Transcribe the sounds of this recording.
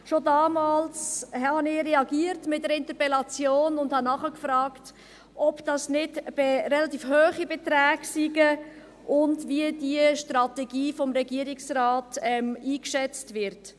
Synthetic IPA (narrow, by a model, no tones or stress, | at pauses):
ʃodɑːmɑːlshhɑnɪɾɛɑɡiːəɾtmɪt̚dəɾɪntəpɛlɑt͡sjoːnʊndhɑnɑχəkfɾɑːkt | ʔɔpd̥ɑsnɪdb̥eɾɛlɑtiːfhøːχibɛtɾɛːɡsiɡə | ʔʊndviədiəʃtɾɑtɛɡiːfɔmɾɛɡiːəɾɪksraːtɛmiːkʃɛt͡stvɪɾt